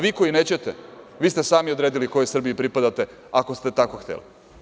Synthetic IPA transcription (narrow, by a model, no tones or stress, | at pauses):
ʋiːko̞ine̞ːt͡ɕe̞t̪e | ʋiːst̪esaːmiod̪ɾe̞ːd̪iliko̞jesr̩bijipɾipad̪at̪e̞ | ako̞st̪e̞t̪ako̞xt̪ḛlḭ